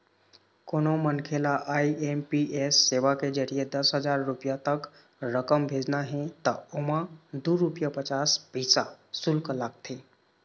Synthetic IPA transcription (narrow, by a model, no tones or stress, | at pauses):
konomənkʰelaʔaiempiʔesːeʋaked͡ʒəɾijed̪əsɦəd͡ʒaɾːupijat̪ək | ɾəkəmbʱed͡ʒnaɦɛ̃t̪əomãd̪uɾupjapət͡ʃaspisasulklaɡ̚t̪ʰe